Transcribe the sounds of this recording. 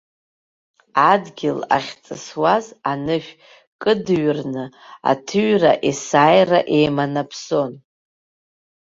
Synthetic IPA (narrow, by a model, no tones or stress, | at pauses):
adɡʲɪla̰χʲt͡sʼɨswazanɨʃᶣ | kʼɨdɥrnɨ | a̰tʰɨɥraʔisajraʔe̞jmanapʰso̞n